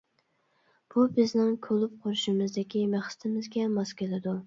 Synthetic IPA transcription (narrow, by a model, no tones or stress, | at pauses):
b̥ubɪznɪŋkʲʰølˠʊp̚qʰoɾʊʃɪmɨzd̪ɪkʲimæχsɪ̥t̪ʰɪmɪzɡʲɛmɑskʲelɪd̪u